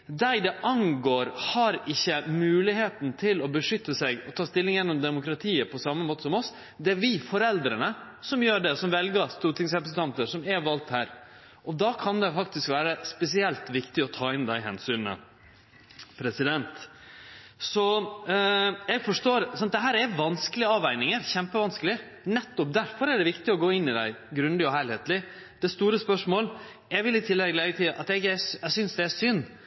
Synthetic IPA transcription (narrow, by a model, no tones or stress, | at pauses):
d̪æɪd̪ɛʔɑŋɡoːɾhɑɾɪçːəmʉːlɪheːt̪n̩t̪ʰɪlɔbəʂʏt̪ːəsɛɡɔt̪ʰɑːst̪ɪlːɪŋjɛnːɔmd̪ɛmʊkɾɑt̪ʰiːəpʰɔsɑmːəmoːt̪əsɔmɔs | d̪ɛæɾʋɪfɔɾɛld̪ɾənə | sɔmjøːɖɛsɔmʋɛlɡəst̪uːɾʈɪŋs̬ɾɛpɾsənt̪ɑnt̪əʂɔmɛʋɑːlt̪hæːɾ | ʔɔd̪ɑkʰɑnd̪ɛfɑk̚t̪ɪskʋæːɾəspɛsɪɛlt̪ʋɪkt̪ɪɔt̪ʰɑːɪnd̪æɪɦɛ̰nsyːnə̰ | pʰɾɛsɪd̪ɛnt̪ | sɔ | jɛɡfɔʂʈoːɾsɔnɑt̪d̪ɛɦæːɾɛʋɑnskəlɪəɑːʋæɪnɪŋəɾçɛmpəʋɑnskəlɪ | nɛt̪ːɔp̚d̪æɾfɔɾɛɖɛʋɪkt̪ɪɔɡoːɪnːɪd̪æ̰ɪɡɾʉnd̪ɪɔɦæɪlheːt̪lɪ | d̪̥ɛst̪uːɾəspœʂmoːl | jæɡʋɪlɪt̪ʰɪlːɛɡəleːɡət̪ʰiːʔɑt̪ɛɡɛɛsʏnsd̪ɛæsʏnː